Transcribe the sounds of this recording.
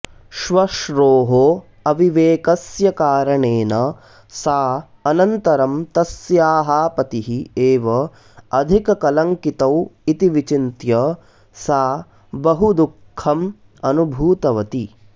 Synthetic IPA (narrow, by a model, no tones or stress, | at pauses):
ʃʋɐʃɾoːɦo | ɐʋiʋeːkɐsjɐkaːɾɐɳeːnɐ | saː | ɐnɐnt̪ɐɾɐmt̪ɐsjaːɦaːpɐt̪iɦieːʋɐ | ɐd̪ʱikɐkɐlɐŋkit̪ɐwit̪iʋit͡ʃint̪jɐ | saː | bɐɦud̪ukʰːɐm | ɐnubʱuːt̪ɐʋɐt̪i